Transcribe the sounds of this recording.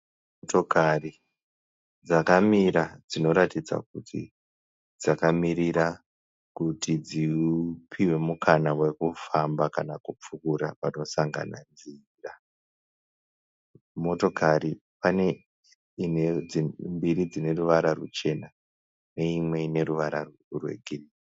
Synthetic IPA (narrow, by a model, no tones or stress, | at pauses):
oto̞kari | d͡zakamiɾad͡zino̞ɾatid͡za̰k̚utʰḭ | d͡zakamiɾiɾa | kutʰid͡ziupʰiwe̞mukanawe̞kufambakanakup͡fukuɾa̰pano̞saŋɡa̰na̰nzi | ra | mo̞to̞kaɾi | pane | inembiɾid͡zine̞ruʋaɾarut͡ʃe̞na | ne̞imwe̞ine̞ɾuʋaɾa | rwe̞̰ɡʱirii